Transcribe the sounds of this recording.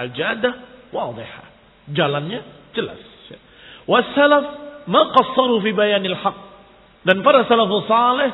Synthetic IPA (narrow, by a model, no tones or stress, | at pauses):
ʔɪd͡ʒaːd̪awɑːd̪ˤɨħa̰ | d͡ʒalanja | d͡ʒala̰s | wasːalafmaːqɑsˤːɑɾˤufiːbajaːnalħɑqː | ʔɪd̪anfɑɾˤɑsalafsˤɑːlɪħ